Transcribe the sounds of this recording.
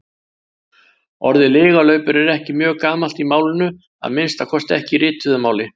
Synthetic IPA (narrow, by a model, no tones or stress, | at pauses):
ɔɾðɪlɪːɣalœɥpʏɾɛɾɛhcɪmjœːɣkaːmal̥t̪imaːwlɪnʏ | a̰ðmɪnst̪akʰɔst̪ɛhcɪɾɪːt̪ʏðʏmaːwlɪ